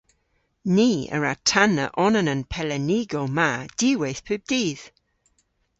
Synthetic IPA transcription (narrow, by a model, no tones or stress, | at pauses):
niːə̰ɹatʰanə̰ʔɔnənənpʰɛlɛniːɡɔlˠmad̥iːwejθpʰʉːb̚d̥iːð̥